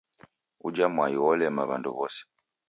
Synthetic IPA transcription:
ud͡ʒamwajiwɔlɛmaβa̰ndṵβɔsɛ̥

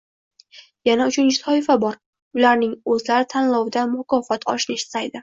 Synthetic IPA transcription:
janaʊt͡ʃʰʊnɪsʰɒɪfabɒɾ | ʊlaɾnɪŋɵzlaɾɪt̪ʰanlɒwd̪amʊkʰɒfɒt̪ʰɒ̰ʃnɪʃɪ̥sajd̪ɪ

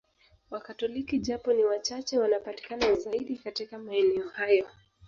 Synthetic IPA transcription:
wakatɔlikiʄapɔniwat͡ʃat͡ʃɛwanapati̥kanazaiɗikatikamaɛnɛɔhajɔ

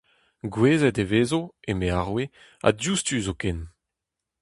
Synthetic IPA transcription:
ɡweːzɛteveːzoemeaʁwe | a̰djustyzokɛn

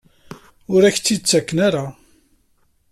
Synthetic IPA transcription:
ʊɾæçt͡sːit͡sːækːnaɾa

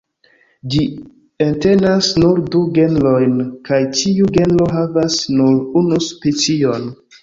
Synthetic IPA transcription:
d͡ʒi | entenasnuɾduɡe̞nlojnkajt͡ʃiuɡe̞nlo̞ɦavasnuɾunuspet͡sion

